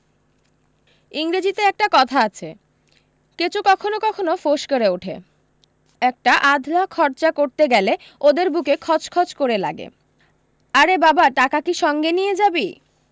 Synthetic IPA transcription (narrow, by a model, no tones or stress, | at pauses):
iŋɾed͡ʑit̪eɛk̚ʈakɔt̪ʰaat͡ɕʰe | ket͡ɕukɔkʰonokɔkʰonofoʃkoɾeuʈʰḛ | ɛk̚ʈaʔad̪ʱlakʰɔɾt͡ɕakoɾt̪eɡɛle | od̪eɾbukekʰɔt͡ɕkʰɔt͡ɕkoɾela̰ɡḛ | aɾebabaʈakakiʃɔŋɡenijed͡ʑabi